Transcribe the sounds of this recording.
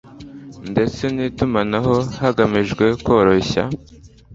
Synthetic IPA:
nde̞t͡se̞niːtumanaɦo̞haɡamiʒɡwe̞ko̞ːɾo̞ɕa̰

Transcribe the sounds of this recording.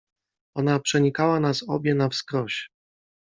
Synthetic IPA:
ɔnapʂɛɲikawanasɔ̰bʲjɛnafskɾɔɕ

